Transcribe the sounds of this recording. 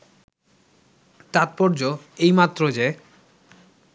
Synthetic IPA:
t̪at̪̚pɔɾd͡ʑoejmat̪ːɾod͡ʑe

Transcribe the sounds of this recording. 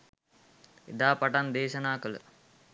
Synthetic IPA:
ḛd̪aːpɐʈɐnd̪eːʃɐnaːkɐlṵ

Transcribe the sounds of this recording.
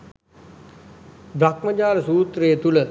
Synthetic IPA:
brakməd͡ʒaːɾəsuːt̪ɾeːt̪ulə

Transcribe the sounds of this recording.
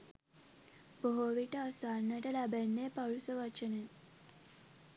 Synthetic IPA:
b̥oɦoʋiʈəasaːnːəʈəlæbænːepaɾusəʋat͡ʃəne

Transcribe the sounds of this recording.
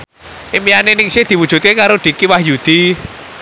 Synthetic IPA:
ʔimijanenɪŋsɪhd̪̥i̤wud̥ʒ̥ṳt̪̚kekaɾoɖ̥i̤kiwahjud̪̥i

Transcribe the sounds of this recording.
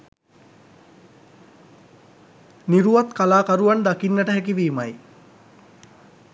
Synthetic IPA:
niɾuʋat̪kalaːkaɾuʋand̪akinːəʈəɦækiʋiːmaj

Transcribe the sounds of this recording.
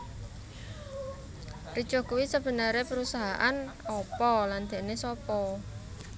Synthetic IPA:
ri̥ʒ̥ɔ̤kuwisəb̥ə̤nəɾepəɾusaɦaʔan | ɔpɔland̪̥e̤ʔnesɔpɔ

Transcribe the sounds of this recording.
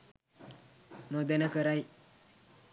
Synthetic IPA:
nod̪enakəɾaj

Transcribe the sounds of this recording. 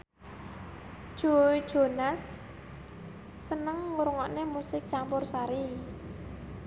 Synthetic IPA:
ʒ̥od̥ʒ̥onas | ənəŋːuɾuŋɔʔnemusɪk̚t͡ʃampʊrsaɾi

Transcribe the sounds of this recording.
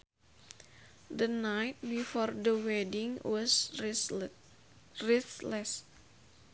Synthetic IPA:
dənajt̪̚bifɔrdəwɛdiŋwɔs | riθlɛs

